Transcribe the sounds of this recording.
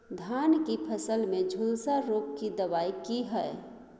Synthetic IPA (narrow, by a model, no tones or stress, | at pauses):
d̪ʱaːnkipʰəsəlmẽd͡ʒʱulsaɾoːp̚kid̪əʋaːikiɦɛe